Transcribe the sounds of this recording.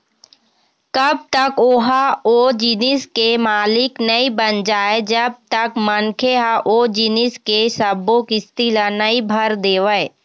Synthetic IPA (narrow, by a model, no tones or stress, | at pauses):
kɐb̚t̪əkoːɦaoːd͡ʒɪnɪskemaːlɪknəibənd͡ʒaːed͡ʒɐb̚t̪əkmənkʰeɦaʔod͡ʒɪnɪskesəbːõkist̪ilənəibʱɐɾd̪eːʋəe